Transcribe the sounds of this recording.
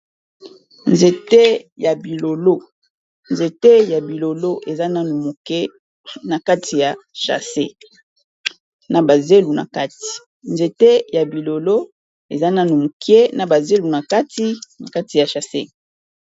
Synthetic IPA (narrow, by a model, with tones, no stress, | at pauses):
nze˨te˦ja˨bi˨lo˨lo˦ | nze˨te˦ja˨bi˨lo˨lo˦ʔe˨za˦na˦nu˨mo˨ke˦ | na˨ka˦tʰi˨ja˨ʃa̰˨se˦ | na˨ba˨ze˦lu˨na̰˨ka˦ti̥˨ | nze˨te˦ja˨bi˨lo˨lo˦ | e˨za˦na˦nu˨mo˨ki˦e˦na˨ba˨ze˦lu˨na˨ka˦ti˦na˨ka˦ti˨ja˨ʃa˨se˦